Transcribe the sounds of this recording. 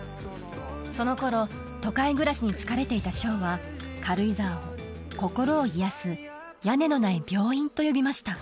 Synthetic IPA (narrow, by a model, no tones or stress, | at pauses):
so̞no̞ko̞ɾo̞ | t̪o̞kaiɡɯ̟ɾaɕiɲ̟it͡sɨ̥kaɾe̞t̪e̞it̪aɕo̞ːβakʰaɾɯ̟izaːo | ko̞ko̞ɾo̞ːijasɨ | jane̞no̞naibʲo̞ːĩnt̪o̞jo̞bʲimaɕi̥t̪a